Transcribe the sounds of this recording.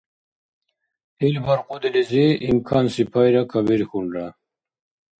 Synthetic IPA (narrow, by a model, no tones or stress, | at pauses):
ilbaɾqud̪eliziimkʰaːnsipʰajɾakʰabiɾxuɳɾa